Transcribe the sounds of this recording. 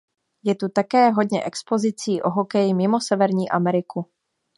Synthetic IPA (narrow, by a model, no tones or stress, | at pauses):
jɛt̪ut̪akɛːɦo̞d̪ɲɛʔɛkspo̞zɪt͡siːʔo̞ɦo̞kɛjɪmɪmo̞sɛvɛɾɲiːʔamɛɾɪku